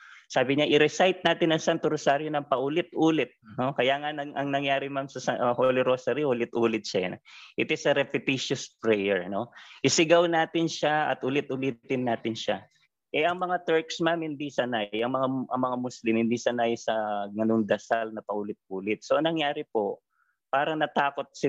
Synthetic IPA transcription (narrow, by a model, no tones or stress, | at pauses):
saːbɪɲaʔɪɾɛsajt̪̚naːt̪ɪnɐŋsant̪oɾosaːɾjonɐŋpɐʔʊlɪt̪̚ʔuːlɪt̪̚no̞kɐjaːŋɐnɐŋʔɐŋnɐŋjaːɾɪmamsɐsaholɪɾosaɾihʊlɪt̪ʔuːlɪt̪̚ʃɐɐnʔɪt̪ɪsɐɾɛpɪt̪iʃʊspɹɛjɛɹno̞ʔɪsɪɡawnaːt̪ɪnʃaɐ̰t̪ʔʊlɪt̪ʔʊliːt̪ɪnːaːt̪ɪnʃa | ʔɛʔɐŋmɐŋat̪ɛɹksmamhɪnd̪isɐnajɐŋmɐŋaʔɐŋmɐŋamʊslɪmhɪnd̪isɐnajsɐŋɐnoŋd̪ɐsalnɐpɐʔulɪt̪̚ʔuːlɪt̪̚soʔɐŋnɐŋjaːɾɪpo̞ | paːɾɐŋnɐt̪aːko̞t̪̚sɪ